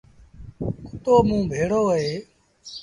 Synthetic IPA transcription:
kʊt̪oːmũːbʱeːɽoːəɦeː

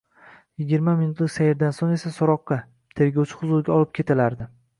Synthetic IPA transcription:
jɪɡʲiɾmaminʊt̪lɪkʲsajɪɾd̪ansone̞sasɒɾɒqːɑ | t̪ʰe̞ɾɡʲɒwt͡ʃʰɪ̥χʊzʊɾɡʲaɒlˠɪp̚kʲʰe̞t̪ʰalaɾd̪ɪ

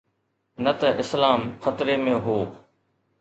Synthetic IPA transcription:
nət̪ɐʔɪslaːmxət̪ɾemẽːɦoː

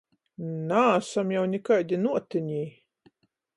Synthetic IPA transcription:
naːsamjawnʲɛkajd̪ʲinuɔt̪ɨɲʲiː

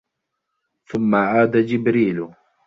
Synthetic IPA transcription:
θʊmːaʕaːd̪ad͡ʒɪbɾiːl

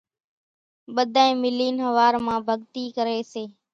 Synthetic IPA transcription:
ɓəd̪ʱaːẽːmɪliːnɦəʋaːɾmãːbʱəɠt̪iːkəɾeːseː

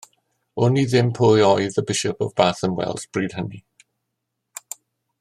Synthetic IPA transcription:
ʊniðɪmpʰojɔjðəbɪʃɔpə̰vbaːθənwɛ̰lˠzb̥ɹiːd̥həni

